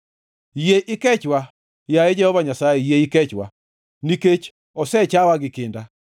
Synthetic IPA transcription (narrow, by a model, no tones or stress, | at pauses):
jeʔɪkɛt͡ʃwa | jaed͡ʒɛhɔvaɲasajɛjeikɛt͡ʃwa̰ | niket͡ʃ | ɔsɛt͡ʃawaɡɪkɪnda